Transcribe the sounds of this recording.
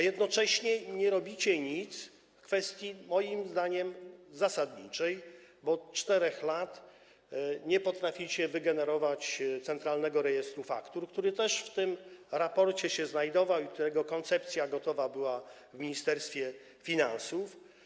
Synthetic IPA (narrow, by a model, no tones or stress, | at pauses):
jɛd̪nɔt͡ʂɛɕɲɛɲɛɾɔbʲit͡ɕɛɲit̪s | kfɛst̪ʲjimɔjimzd̪aɲɛmzasad̪ɲḭt͡ʂɛjbɔt̪t͡ʂt̪ɛɾɛxlat̪ | ɲɛpɔt̪ɾafʲit͡ɕɛvɘɡɛnɛɾɔvat͡ɕt̪sɛnt̪ɾalnɛɡɔɾɛjɛst̪ɾufa̰kt̪uɾkt̪uɾɘt̪ɛʂft̪ɘmɾapɔɾt͡ɕɛɕɛznajd̪ɔvawik̚t̪uɾɛɡɔkɔnt̪sɛp̚t̪sʲjaɡɔt̪ɔvabɘwa | vmʲiɲist̪ɛɾst̪fʲjɛ | fʲinansuf